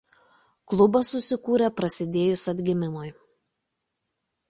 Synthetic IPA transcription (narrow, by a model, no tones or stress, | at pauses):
klˠʊbɐsːʊsʲɪkuːɾʲɛpɾɐsʲɪd̪ʲeːjʊsɐd̪ʲɡʲɪmʲɪmʊj